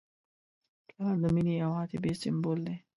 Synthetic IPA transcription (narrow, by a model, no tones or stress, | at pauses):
kaɾd̪əminiɐwãːt̪ebesɪmboːld̪e